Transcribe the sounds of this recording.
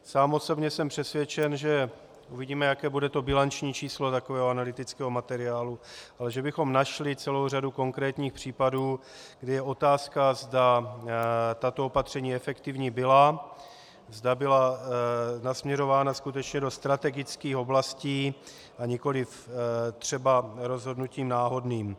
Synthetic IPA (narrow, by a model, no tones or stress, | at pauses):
saːmo̞so̞bɲɛsɛmpr̥ɛsvʲjɛt͡ʃɛnʒɛ | ʔuvɪɟiːmɛjakɛːbudɛt̪o̞bɪlant͡ʃɲiːt͡ʃiːslo̞t̪akovɛːɦoanalɪt̪ɪt͡skɛːɦo̞mat̪ɛɾɪaːluʔalɛʒɛbɪxo̞mnaʃlɪt͡sɛlo̞wr̝aduko̞ŋkɾɛːt̪ɲiːxpr̝̥iːpaduː | ɡdɪjɛo̞t̪aːskazda | t̪at̪o̞opat̪r̥ɛɲiːɛfɛkt̪ɪvɲiːbɪla | zdabɪla | nasmɲɛɾo̞vaːnaskut̪ɛt͡ʃɲɛdo̞st̪ɾat̪ɛɡɪt͡skiːxo̞blasciː | ʔaɲɛko̞lɪft̪r̝̥ɛbaɾo̞zɦo̞dnuciːmnaːɦo̞dniːm